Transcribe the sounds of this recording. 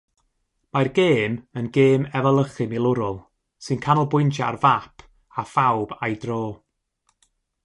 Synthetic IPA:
marɡeːmənɡeːmɛvəlˠəχɨmɪlˠʊɾʊlˠ | sɨnkʰanɔlˠbʊjntʰaa̰rvapʰ | afawbajdroː

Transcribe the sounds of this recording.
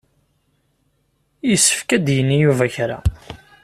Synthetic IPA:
jəsːə̥fkæd̪jənːijuvæçɾa̰

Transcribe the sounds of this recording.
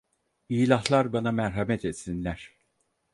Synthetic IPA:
iːlʲaɦlˠaɾbanamɛɾɦamɛt̪ʰɛt̪sinlʲæɾ̥

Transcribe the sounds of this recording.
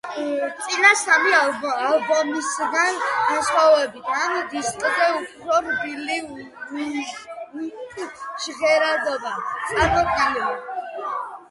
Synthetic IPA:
t̪sʼinasamialbɔmisɡanɡ̥ansχwavɛbit̪ʰand̪iskʼzɛupʰɾɔɾbili | ukʼʃʁɛɾad̪ɔbat̪sʼaɾmɔkʼalɛ

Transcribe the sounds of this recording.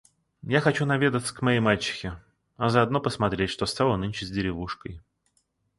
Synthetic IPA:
jaxɐt͡ɕunɐvʲed̪ət̪sə̥kmɐjejmalʲt͡ɕːɪ̥xʲɪ | ɐzəɐd̪no̞pəsmɐt̪ɾʲetʲʂt̪ost̪alˠənɨnʲt͡ɕɪzʲdʲɪɾʲɪvuʂkəj

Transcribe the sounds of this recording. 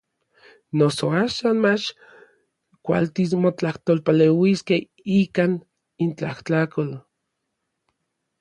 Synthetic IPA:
nosoaːʃaːnmat͡ʃ | kʷa̰lt̪ismot͡ɬaht̪olpalewiskeh | ikaːn | int͡ɬahtakol

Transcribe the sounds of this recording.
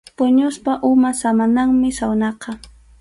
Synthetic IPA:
pʊɲʊspaʔʊmasamanaŋmɪsawnɑqɑ

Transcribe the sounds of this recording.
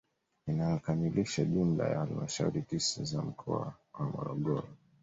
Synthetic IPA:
inajɔkamiliʃaʄumla̰jahalimaʃauɾitisazam̩kʰɔa̰ | wamɔɾɔɠɔɾɔ

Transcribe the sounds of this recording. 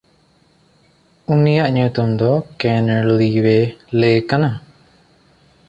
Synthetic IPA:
unijaʔɲut̪umd̪ɔkɛnluɾiwelekana

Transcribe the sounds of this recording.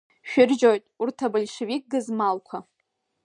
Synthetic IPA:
ʃᶣɪrʒojtʼurtʰabɨlʲʂɨvik̚ʼɡɨzmalkʷʰa

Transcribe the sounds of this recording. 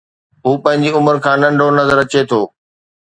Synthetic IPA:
ɦuːpɐ̃ɦɪ̃ɲd͡ʑiʊməɾkʰãːnɐ̃ɳɖʱonɐzəɾət͡ɕet̪ʰoː

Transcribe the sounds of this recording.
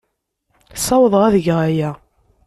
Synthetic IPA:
sˤɑwəðˤʁæðəʝʁæjæ

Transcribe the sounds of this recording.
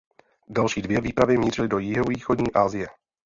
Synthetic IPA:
dalʃiːdvjɛviːpɾavjɛmiːrɪlɪdojɪɦoviːxodɲiːʔaːzɪjɛ

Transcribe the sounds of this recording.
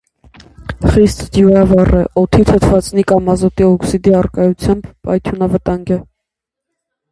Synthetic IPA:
χist̪d̪juɾɑvɑrɛʔɔt̪ʰit̪ʰət̪ʰvɑt͡snikɑmɑzɔt̪iɔksid̪iɑrkɑjut͡sʰjɑmbpɑ̰jt̪ʰjunɑvət̪ɑŋɡɛ

